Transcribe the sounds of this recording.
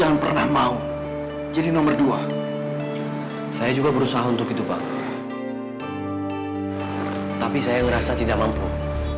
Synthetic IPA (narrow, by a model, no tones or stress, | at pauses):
aŋanpərnahmau | d͡ʒadinɔmərdua | sajad͡ʒuɡabəɾusaɦaunt̪ʊkit̪uba̰ | t̪apisajaŋəɾasat̪idak̚mampṵ